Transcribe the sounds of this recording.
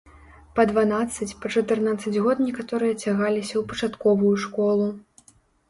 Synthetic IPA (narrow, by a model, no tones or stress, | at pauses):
pɐd̪vanat̪sːɐt͡sʲpɐt͡ʂɐt̪ɨrnat̪sːɐd͡zʲɣɔt̪nʲɛkat̪ɔɾɨjɐt͡sʲaɣalʲisʲɐwpɐt͡ʂat̪kɔvujuʂkɔlˠu